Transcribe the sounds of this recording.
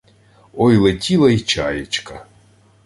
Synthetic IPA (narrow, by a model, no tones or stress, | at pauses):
ɔjlˠetʲilˠɐit͡ʃajet͡ʃkɐ